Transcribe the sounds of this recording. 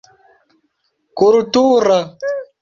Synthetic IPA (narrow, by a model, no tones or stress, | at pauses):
kuɾutuːɾa